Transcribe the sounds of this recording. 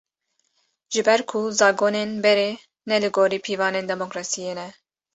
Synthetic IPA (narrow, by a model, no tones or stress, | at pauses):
ʒ̥ɨbɛɾkʰuzɑːɡoːnenbɛɾeː | nɛlɨɡoːɾiːpʰiːvɑːneːnd̪ɛmokɾɑːsijeːnɛ